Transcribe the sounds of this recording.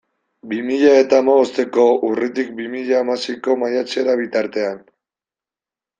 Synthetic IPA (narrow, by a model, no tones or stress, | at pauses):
bimiʎae̞t̪aːmaβo̞st̪e̞ko̞urit̪ik̚bimiʎaːmasiko̞majat͡se̞ɾaβit̪aɾt̪e̞an